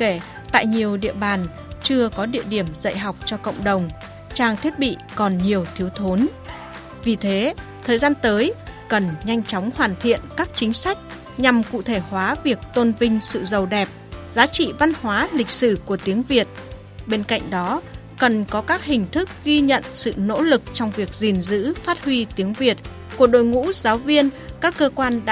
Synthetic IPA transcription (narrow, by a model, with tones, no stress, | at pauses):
ke˧˩ | t̪a̰ː˧˨jɲi˨˩əwɗḭ˧˨əɓaː˨˩n | t͡ɕɨ˧əkɔ˨˦ɗḭ˧əɗi˧˩əmzə̰˧˨jɦa˨˩wk͡p̚t͡ɕɔ˧kə̰˧˨wŋ͡mɗə˨˩wŋ͡m | t͡ɕaː˧ŋt̪ʰi˦˥ət̚ɓḭ˧˨kɔ˨˩nɲi˨˩əwt̪ʰi˨˦əwt̪ʰo˨˦n | vi˨˩t̪ʰe˨˦t̪ʰəː˨˩jzaː˧nt̪əː˨˦jkə˨˩nɲa˧jŋ̟t͡ɕɔ˨˦wŋ͡mhwaː˨˩nt̪ʰḭ˧˨ənkaː˦˥k̚t͡ɕï˨˦ŋ̟sa˦˥jk̟̚ | ɲa˨˩mkṵ˧˨t̪ʰe˧˩hwaː˨˦vi˨˩ək̚t̪o˧nvï˧ŋ̟sɨ̰˧˨zə˨˩wɗɛ˨˩p̚zaː˨˦t͡ɕḭ˧˨va˧nhwaː˨˦lï˨˩k̟̚sɨ˧˩ku˧˩ət̪i˨˦əŋvi˨˩ət̚ | ɓe˧nka̰˧˨jŋ̟ɗɔ˨˦ | kə˨˩nkɔ˨˦kaː˦˥k̚hï˨˩ŋ̟t̪ʰɨ˦˥k̚ɣi˧ɲə̰˧˨nsɨ̰˧˨no̰˧˥lɨ˨˩k̚t͡ɕɔ˧wŋ͡mvi˨˩ək̚zi˨˩nzɨ̰˧˥faː˦˥t̚hwi˧t̪i˨˦əŋvi˨˩ət̚ | ku˧˩əɗo̰˧˨jŋṵ˧˥zaː˨˦wvi˧ən | kaː˦˥kːəː˧kwaː˧nɗ